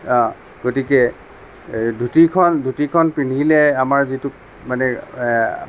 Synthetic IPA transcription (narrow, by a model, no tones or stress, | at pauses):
ɔ̃ | ɡ̥otikɛ | dʱutikʰɔndʱutikʰɔnpinilɛamaɹzituk | manɛ̰